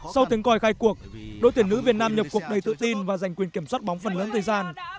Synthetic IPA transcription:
sa˧wt̪i˨˦əŋkɔ˨˩jxaː˧jku˨˩ək̚ɗo̰˨˧˥jt̪i˧˩ənɨ̰˧˥vi˨˩ət̚naː˧mɲə˨˩p̚ku˨˩ək̚ɗə˨˩jt̪ɨ̰˧˨t̪i˧nvaː˨˩za˨˩jŋ̟kwi˨˩ənki˧˩əmswaː˦˥t̚ɓa˨˦wŋ͡mfə˨˩nləː˨˦nt̪ʰəː˨˩jzaː˧n

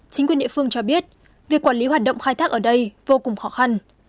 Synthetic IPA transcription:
t͡ɕï˨˦ŋkwi˨˩ənɗḭ˧˨fɨ˧əŋt͡ɕɔ˧ɓi˦˥ət̚ | vi˨˩əkwaː˧˩nli˨˦ɦwaː˨˩ɗə̰˧˨ŋ͡mxaː˧jt̪ʰaː˦˥k̚ʔəː˧˩ɗə˧jvo˧kʊ˨˩ŋ͡mxɔ˨˦xa˧n

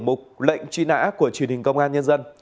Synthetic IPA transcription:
mʊ˨˩k͡p̚lə̰˧˨jŋ̟t͡ɕi˧na̰ː˧˥ku˧˩ət͡ɕi˧˩ənhï˨˩ŋ̟kə˧wŋ͡mʔaː˧nɲə˧nzə˧n

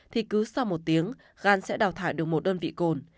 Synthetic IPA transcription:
t̪ʰi˨˩kɨ˨˦sa˧wmo˨˩t̚t̪i˨˦əŋ | ɣaː˧nsɛ̰˧˥ɗaː˨˩wt̪ʰaː˧˩jɗɨ˨˩ək̚mo˨˩t̚ɗəː˧nvḭ˧˨ko˨˩n

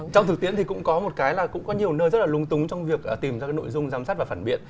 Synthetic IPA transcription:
t͡ɕɔ˧wŋ͡mt̪ʰɨ˨˩k̚ti˨˧˥ənt̪ʰi˨˩kʊ̰˧˥ŋ͡mkɔ˨˦mo˨˩t̚kaː˨˦jlaː˨˩kʊ̰˧˥ŋ͡mkɔ˨˦ɲi˨˩əwnəː˧jzə˦˥t̚laː˨˩lʊ˨˦ŋ͡mt̪ʊ˨˦ŋ͡mt͡ɕɔ˧wŋ͡mvi˨˩ək̚ʔːt̪i˨˩mzaː˧kːno̰˧˨jzʊ˧ŋ͡mzaː˨˦msaː˦˥t̚vaː˨˩faː˧˩nɓḭ˧˨ən

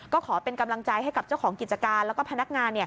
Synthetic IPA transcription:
kɔː˥˩kʰɔː˩˦pe˧nka˧mla˧ŋt͡ɕa˧jɦa˥˩jka˨˩p̚t͡ɕa˥˩wkʰɔː˩˦ŋki˨˩t͡ɕa˧kaː˧nlɛː˦˥wkɔː˥˩pʰa˧na˦˥k̚ŋaː˧nːi˥˩ɐ

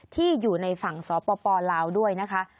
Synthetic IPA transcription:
t̪ʰiː˥˩juː˨˩na˧jfa˨˩ŋsɔː˩˦pɔː˧pɔː˧laː˧wdu˥˩əjna˦˥kʰa˦˥ʔ

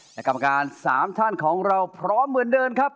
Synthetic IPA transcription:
lɛ˦˥˩ka˧mːa˧kaː˧nsa̰ː˩˦mt̪ʰaː˥˩nkʰɔː˩˦ŋɾa˧wpʰɾɔː˦˥mːɯ˩˦əndɤː˧nkʰa˦˥p̚

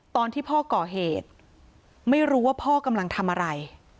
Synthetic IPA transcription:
t̪ɔː˧nt̪ʰiː˥˩pʰɔː˥˩kɔː˨˩ɦeː˨˩t̪̚ | ma˥˩jɾuː˦˥waː˥˩pʰɔː˥˩ka˧mla˧ŋt̪ʰa˧mʔa˧ɾa˧j

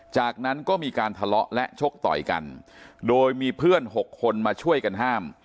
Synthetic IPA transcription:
t͡ɕaː˨˩k̚na˦˥nkɔː˥˩miː˧kaː˧nt̪ʰa˧lɔ˦˥ʔlɛ˦˥ʔt͡ɕʰo˦˥k̚t̪ɔ̰˨˩jka̰˧ndoː˧jmiː˧pʰɯ˥˩ənɦo˨˩kʰːo˧nmaː˧t͡ɕʰu˥˩əjka˧nɦaː˥˩m

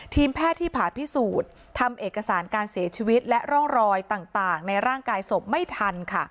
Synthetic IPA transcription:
t̪ʰiː˧mpʰɛː˥˩t̪ʰːiː˥˩pʰaː˨˩˦pʰi˦˥suː˨˩t̪ʰːa˧mʔeː˨˩kːa˧saː˩˦nkaː˧nsi˩˦ɐt͡ɕʰiː˧wi˦˥t̪̚lɛ˦˥ʔɾɔ˥˩ŋɾɔː˧jt̪aː˨˩ŋt̪aː˨˩ŋna˧jɾaː˥˩ŋkaː˧jso˨˩p̚ma˥˩jt̪ʰa˧nkʰa˥˩

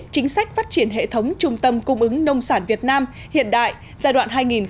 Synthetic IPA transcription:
t͡ɕï˨˦ŋ̟sa˦˥jk̟̚faː˦˥t̚t͡ɕi˧˩ənɦḛ˧˨t̪ʰə˨˦wŋ͡mt͡ɕʊ˧ŋ͡mt̪ə˧mkʊ˧ŋ͡mʔɨ˨˦ŋnə˧wŋ͡msaː˧˩nvi˨˩ət̚naː˧m | hḭ˧˨ənɗa̰ː˧˨j | zaː˧jɗwa̰ː˧˨nɦaː˧jŋi˨˩n

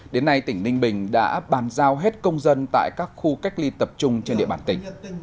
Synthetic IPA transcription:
ɗe˨˦nːa˧jt̪ï˧˩ŋnï˧ŋ̟ɓï˨˩ŋ̟ɗa̰ː˧˥ɓaː˨˩nzaː˧wɦe˦˥t̚kə˧wŋ͡mzə˧nt̪a̰ː˧˨jkaː˦˥k̚xu˧ka˦˥k̚li˧t̪ə˨˩p̚t͡ɕʊ˧ŋ͡mt͡ɕe˧nɗḭ˧əɓaː˧nt̪ï˧˩ŋ̟

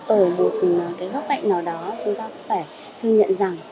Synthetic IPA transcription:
t̪o˧˩mo˨˩t̚kaː˨˦jɣə˦˥p̚ɓa̰˧˨jŋ̟naː˨˩wɗɔ˨˦t͡ɕʊ˨˦ŋ͡mt̪aː˧kɔ˨˦faː˧˩j | t̪ʰɨ˧ɲə̰˧˨nza˨˩ŋ

